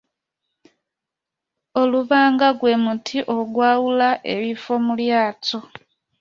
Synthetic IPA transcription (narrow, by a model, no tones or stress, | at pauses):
oluβaːŋɡaɡwe̞mutʰiʔo̞ɡwaːwulaʔḛβifo̞muljaːto